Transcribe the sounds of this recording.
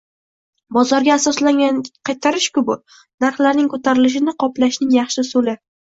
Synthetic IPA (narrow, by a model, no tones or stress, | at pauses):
bɒzɒɾɡʲaːsɒslaŋʲaqʰɑjt̪ʰaɾɪʃkʲʊbʊ | naɾχlaɾnɪŋkʰot̪ʰaɾɪlɪʃ̬ɪnɪqʰɒplaʃnɪŋjɑχʃɪsolɪ